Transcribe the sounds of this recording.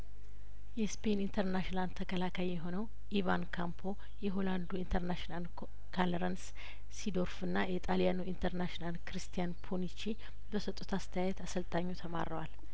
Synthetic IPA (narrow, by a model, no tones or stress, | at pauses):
jɛspʰenint̪ʰəɾnaʃiland̪t̪ʰːəkʰəlakʰajjɛɦo̞nəw | ivankʰampʰo̞ | jɛɦo̞land̪uint̪ʰəɾnaʃinal | kʰaləɾənsː | id̪o̞ɾfɨnːajɛt̪ʼaljanuint̪ʰəɾnaʃnalkɾist̪ʰijanpʰonit͡ʃi | bəsət̪ʼːut̪ast̪ʰəjajɛt̪asəlt̪ʼaɲːot̪ʰəma̰ɾəwal